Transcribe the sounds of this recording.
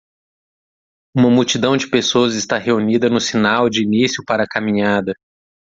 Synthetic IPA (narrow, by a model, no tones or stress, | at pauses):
ũmɐmuwt͡ʃid̪ɐ̃w̃d͡ʒɪpesoɐzɪst̪aɦeunid̪ɐnʊsinawd͡ʒɪːnisjʊpaɾɐkamĩɲad̪ɐ